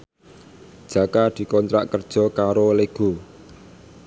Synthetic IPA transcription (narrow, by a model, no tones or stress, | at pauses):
d̥ʒ̥a̤kad̪̥i̤kɔnt̪ɾaʔkərd̥ʒ̥ɔ̤kaɾoleɡ̥o̤